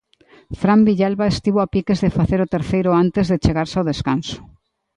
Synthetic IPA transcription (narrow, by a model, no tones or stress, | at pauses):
fɾambiʎalβaest̪iβoapikezðefaθeɾʊt̪eɾθejɾʊant̪ezðet͡ʃeɣaɾsawðeskansʊ̥